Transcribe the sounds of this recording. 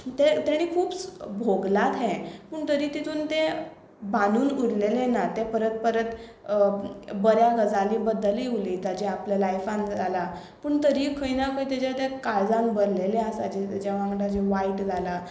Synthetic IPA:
t̪et̪jaɽ̃iːkʰuːpsbʱoɡlat̪ɦɛ̃pəːɳt̪əɾiːt̪it̪ʰuːnt̪e | banuːnuɽlelenat̪epəɾət̪̚pəɾət̪ | bəɾjaɡəd͡zaliːbəd̪əliʋuliːt̪ad͡ʑeapljalajfãnd͡zala | pəɳt̪əɾiːkʰəjnakʰəjt̪et͡ɕat̪ekaɭd͡zãnbəɾleleasad͡ʑit̪d͡ʑaʋãŋɡɽad͡ʑeʋaiʈd͡zʱala

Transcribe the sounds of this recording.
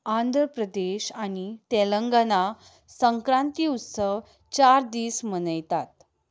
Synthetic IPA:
and̪ʱɾəpɾəd̪eɕaɽ̃it̪eləŋɡəna | səŋkɾãnt̪iut̪səʋ | t͡ɕaɾd̪iːsmənəjt̪at̪

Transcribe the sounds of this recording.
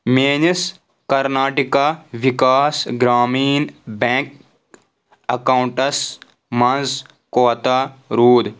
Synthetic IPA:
meːɲis | kɐɾnaːʈikaːʋikaːsɡɾaːmiːnbẽŋk | ɐkaːuɳʈɐs | mɐnz | koːt̪aɾuːd̪

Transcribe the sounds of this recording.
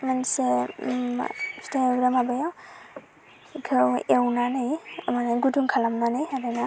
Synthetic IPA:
manse | steɾamabajaw | ɡʰɯwewnanajamanaɡuduŋkʰalamnanajaɾana

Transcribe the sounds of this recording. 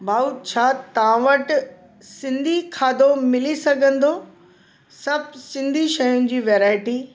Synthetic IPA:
bʱaːut͡ɕʰaːt̪ɐʋãʋɐʈ | sɪ̃nd̪ʱikʰaːd̪ʱomɪlisɐɡʱə̃nd̪o | sɐb̚ʱsɪ̃nd̪ʱiʃɐjʊ̃nɪ̆d͡ʑiːʋeːɾaːɪʈi

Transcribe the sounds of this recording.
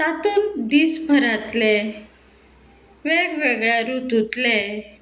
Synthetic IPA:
t̪at̪uːnd̪iːsbʱəɾat̪le | ʋeɡʋeɡɭaɾut̪ut̪le

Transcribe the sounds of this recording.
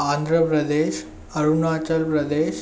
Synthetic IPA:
and̪ʱɾəpɾəd̪eɕ | əɾunat͡ɕəlpɾəd̪eɕ

